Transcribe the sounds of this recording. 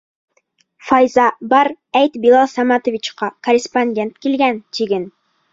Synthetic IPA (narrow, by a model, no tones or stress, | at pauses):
fɑjzɑbɑɾ | æjt̪bilˠɑlˠsɑmɑt̪ŏvʲit͡ɕqɑkoɾʲɪsponʲdʲe̞nt̪kilɡænt̪iɡɘn